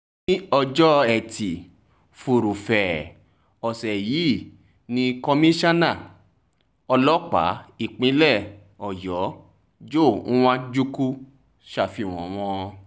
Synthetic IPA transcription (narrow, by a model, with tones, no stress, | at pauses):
i˦ɔ˧d͡ʒɔ˦ɛ˨ti˨ | fu˨ɾu˨fɛ˨ | ɔ˨sɛ˨ji˨˦˨ | nĩ˧kɔ˧mĩ˦ʃa˦nã˦˨ | ɔ˧lɔ˦k͡pa̰˨˦i˦˨k͡pĩ˨˦lɛ˦˨ | ɔ˨jɔ˨˦ | d͡ʒõ˦˨˦w̃ã˦d͡ʒu˦ku˦ | ʃa˧˨fi˧˨w̃ɔ̃˨w̃ɔ̃˧